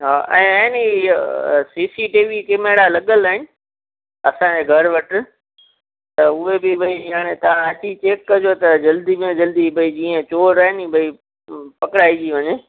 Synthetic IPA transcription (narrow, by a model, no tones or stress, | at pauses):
ɦaːʔɛ̰̃ːɛ̃ːni | siːsiʈiːʋikɪmeːɽalɐɠəlaːɦɪnɪ̆ | ɐsãd͡ʑeːɡʱɐɾʊʋɐʈʰɪ̆ | t̪ɐʊebɪbɐijaːɽ̃et̪ɐʋ̤ãɐt͡ɕit͡ɕeːkːɐd͡ʑot̪ɐd͡ʑɐld̪imẽd͡ʑɐld̪ibɐid͡ʑiːə̃t͡ɕoːɾaːɦɪnibɐi | pɐkɪɽaːid͡ʑiʋɐɲeː